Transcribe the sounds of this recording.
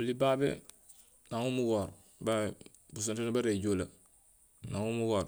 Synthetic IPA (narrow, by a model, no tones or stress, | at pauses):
olibaːbḛ | naŋumuɡoːɾ | ba | bus̬ontenabaɾeɟola | naŋumuɡoːɾ